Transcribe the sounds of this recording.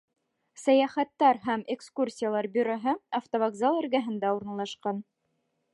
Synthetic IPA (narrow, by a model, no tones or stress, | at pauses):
sæjæχæt̪ːæɾɦæmekskursʲijalˠɑɾbʲɵɾoɦɤɐft̪ovɐɡzɑlˠɘ̆ɾɡæɦɘ̆nd̪æuɾnɑlˠɑʃqɑn